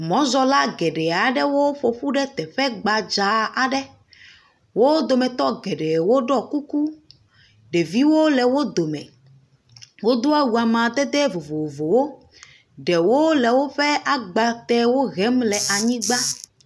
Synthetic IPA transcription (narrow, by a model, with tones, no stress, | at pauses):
mɔ̃˦zɔ˦la˦ɡɛ˨ɖɛ˨a˨ɖɛ˦wo˦ɸo˨ɸu˦ɖɛ˦t̪ɛ˨ɸɛ˦ɡ͡ba˨d͡ʒa˨a˨ɖɛ˦ | wo˦d̪o˨mɛ˨t̪ɔ˦ɡɛ˨ɖɛ˨wo˦ɖɔ˦ku˦ku˦ | ɖɛ˨vi˦wo˦lɛ˨wo˦d̪o˨mɛ̰̃˨ | wo˦d̪o˦a˦wu˨a˨mã˨d̪ɛ˦d̪ɛ˦vo˨vo˨o˨vo˨wo˦ | ɖɛ˨wo˦lɛ˨wo˦ɸɛ˦ʔa˨ɡ͡ba˨t̪ɛ˦wo˦ɣɛ˨˦mlɛ˨ʔa˨ɲĩ˦ɡ͡ba˦